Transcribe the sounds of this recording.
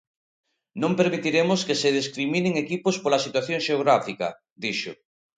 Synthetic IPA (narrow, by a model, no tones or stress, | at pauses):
nõmpeɾmit̪iɾemʊskeseðiskɾimineŋekipospolɐsit̪waθjõŋʃeoɣɾafikɐ̰ | d̪iʃo